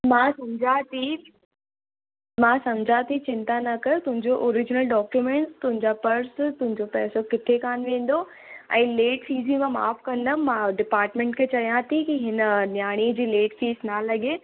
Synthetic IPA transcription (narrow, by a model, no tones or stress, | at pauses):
mãːsɐmd͡ʑʱat̪ʰi | mãːsɐmd͡ʑʱat̪ʰit͡ɕɪ̃nt̪anɐkɐjot̪ʊ̃ɦɪ̃ɲd͡ʑoʔɔːɾɪd͡ʑɪnəlɖɔːkjumẽɳʈst̪ʊɦɪ̃ɲd͡ʑapɐɾst̪ʊ̃ɦɪ̃ɲd͡ʑopɛːsokɪt̪ʰekaːnʋẽːn̆d̪o | ɛ̰̃ːleːʈfiːzĩmãma̰ːfkɐ̃nd̪əmãːɖɪpaːɾʈmẽɳʈkʰet͡ɕɐɽijãt̪ʰikiɦɪnənjaːɽ̃id͡ʑiːleːʈfiːznalɐɠeː